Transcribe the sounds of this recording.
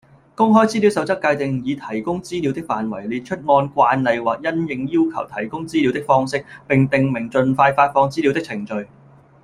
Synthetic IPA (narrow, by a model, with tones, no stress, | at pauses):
kʊ˥ŋɦɔː˥jt͡si˥li˨˧wsɐ˨˧wt͡sɐ˥kːaː˧jt̪ɪ˨ŋjiː˨˧t̪ʰɐ˨˩jkʊ˥ŋt͡siː˥li˨˧wt̪ɪ˥k̚fa̰ː˨nwɐ˨˩jliː˨˧t̚t͡ʃʰɵ˥t̚ŋɔː˧nkʷaː˧nlɐ˨jwaː˨˩k̚jɐ˥njɪ˨ŋjiː˥wkʰɐ˨˩wt̪ʰɐ˨˩jkʊ˥ŋt͡siː˥li˨˧wt̪ɪ˥k̚fɔː˥ŋsɪ˥k̚pɪ˨ŋt̪ɪ˨ŋmɪ˨˩ŋt͡ʃɵ˨˧nfaː˧jfaː˧t̚fɔː˧ŋt͡siː˥li˨˧wt̪ɪ˥k̚t͡sʰɪ˨˩ŋt͡ʃɵ˨ɥ